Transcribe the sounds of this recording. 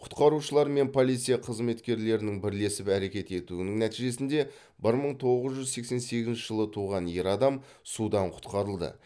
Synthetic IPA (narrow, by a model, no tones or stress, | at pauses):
qʰʊ̥t̪qɑɾuʃəlˠɑɾme̞npʰo̞lˠit̪sijɑqʰəzme̞t̪kʲe̞ɾle̞ɾɪnɪŋbɪɾle̞sɪpæɾe̞kʲe̞t̪e̞t̪uɪnɪŋnæt̪iʒe̞sɪnd̪e̞ | bɪɾməɴt̪ʰo̞ʁəzʒʏzse̞kse̞nse̞ɡʲɪznʃɪʒəlˠət̪ʰuʁɑnjeɾɑd̪ɑm | sud̪ɑɴqʰʊ̥t̪qɑɾəlˠd̪ə̰